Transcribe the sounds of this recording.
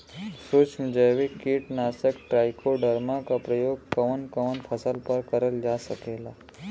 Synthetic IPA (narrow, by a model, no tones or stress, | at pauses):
suːt͡ʃmd͡ʒəʋikiːʈnaːsəkʈɾaːjkoɖəɾmakapɾəjoːɡ̚kɐʋənkəʋənpʰəsəlpəɾkəɾəld͡ʒasəkeːlaː